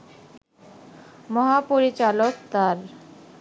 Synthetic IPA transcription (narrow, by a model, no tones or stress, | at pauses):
mɔɦapoɾit͡ɕalokt̪aɾ